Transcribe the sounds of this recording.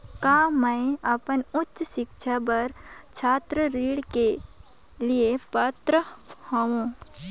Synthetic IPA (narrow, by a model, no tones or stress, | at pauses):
kaːmə̃eəpənʊtːʃʃɪkʃabəɾ | t͡ʃʰaːt̪ɾəɾiːɽke | liepat̪ɾə | hõũː